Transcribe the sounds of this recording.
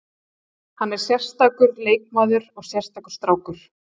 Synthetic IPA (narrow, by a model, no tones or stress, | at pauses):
hanːɛɾ̥sjɛr̥st̪aːkʏɾleːjk̚maːðʏɾɔɣsjɛr̥st̪akʏ̥st̪ɾaːwkʏɾ̥